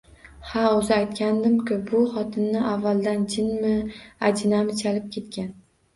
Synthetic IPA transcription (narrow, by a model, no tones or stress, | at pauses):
haozɪajt̪kʲand̪ɪmkʲʊbʊχɒt̪ʰɪnːɪʔavːalˠd̪and͡ʒʰɪnmɪad͡ʒɪnamɪt͡ʃʰalɪp̚kʲʰe̞t̪kʲan